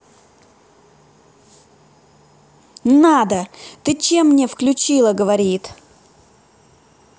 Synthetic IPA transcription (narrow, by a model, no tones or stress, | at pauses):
nad̪ət̪ɨt͡ɕemːnʲefklʲʉt͡ɕilˠəɡəvɐɾʲit̪